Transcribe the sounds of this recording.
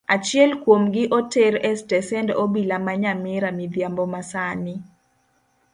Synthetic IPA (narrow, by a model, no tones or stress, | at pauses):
at͡ʃɪjɛlkwomɡɪʔotɛɾɛstɛsɛndobilamaɲamɪɾamɪd̪jambɔmasanɪ